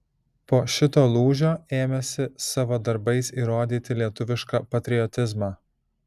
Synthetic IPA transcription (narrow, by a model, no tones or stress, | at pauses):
poːʃʲɪt̪oːlˠuːʒʲoːeːmʲɛsʲɪsɑʋoːd̪ɐɾbɐɪsiːɾoːd̪ʲiːt̪ʲɪlʲiɛt̪ʊʋʲɪʃkɑpɐt̪ʲɾʲɪɔt̪ʲɪzmɑː